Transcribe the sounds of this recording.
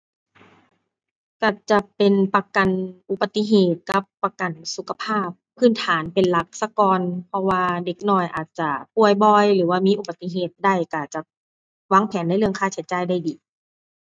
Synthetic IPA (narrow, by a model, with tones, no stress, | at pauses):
ka˧˩t͡ɕa˧˩pe˨npa˧ka˨nʔu˧˩ba˧t̪i˧ɦeː˨˩t̪̚ka˧˦pːa˧ka˨˩nsu˨˧˦kʰa˧pʰaː˥˩p̚ʰːɯː˧˥˨nt̪ʰaː˩˦npe˨nla˧˦k̚sa˧kɔː˧npʰɔ˧waː˧de˨˩k̚nɔː˧˩jʔaː˨˩t̪̚t͡ɕa˧˩pu˧˩əjbɔː˧jlɯː˩˦waː˧miː˧˥ʔu˧˩ba˨˧t̪ːi˧ɦeː˨˩t̪̚da˧˥˩jka˧˩t͡ɕa˧ | waː˧˥˨ŋpʰɛː˨˦nːa˧˥jlɯ˥˩əŋkʰaː˧˩t͡ɕʰa˨˦t͡ɕaː˧˨jda˧˥˩jdiː˨˦